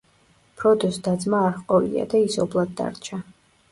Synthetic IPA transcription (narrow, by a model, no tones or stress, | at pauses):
pʰɾɔd̪ɔsd̪ad̪zmaːɾχqʼɔlḭa̰d̪aisɔblˠad̪̚ːa̰ɾt͡ʃʰa